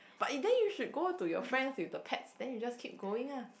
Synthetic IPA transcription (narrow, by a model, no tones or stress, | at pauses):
b̥atdɛnjuʃud̚ɡotujɔ̰fɹɛ̃ndswifdəpʰɛtsdɛ̃njud͡ʒaskʰip̚ɡoɪ̃ŋa